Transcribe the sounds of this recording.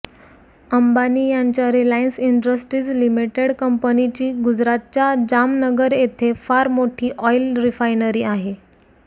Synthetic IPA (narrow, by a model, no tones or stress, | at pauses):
əmbaniːjaɲt͡ɕjaɾilainsiɳɖɾəsʈɾiːd͡zlimiʈeɽkəmpənit͡ɕiːɡud͡zɾat̪̚t͡ɕad͡ʑamnəɡəɾet̪ʰefaɾmoʈʰiːʔɔjlɾifajnəɾiːaɦe